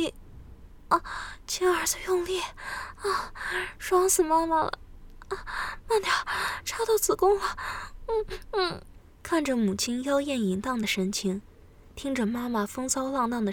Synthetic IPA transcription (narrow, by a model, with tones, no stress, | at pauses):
t͡ɕʰi˥ə˞˨˧˥t͡s̩˧jʊ˥˧ŋli˥˩ə˥˩ʂwɑ˥ŋsɹ̩˨˩ma˥ma˨lə̰˩˥˩ | ma˥˧nt̪jɑ˥˧˩ʊʈ͡ʂʰa˥t̪ɑ˥˩ʊt͡sɹ̩˨˩kʊ˥ŋla˨n̩˥˩n̩˥˩ | kʰa˥˩nʈ͡ʂə˩mu˨˩t͡ɕʰi˥njɑ˥ʊjɛ˥˩ni˧˥ŋt̪ɑ˥˩ŋd̪ə˩ʂə˧˥nt͡ɕʰi˧˥ŋ | t̪ʰi˥ŋʈ͡ʂə˨ma˥ma˨fɤ˥ŋsɑ˥ʊlɑ˥˧ŋt̪ɑ˥˩ŋd̪ə˩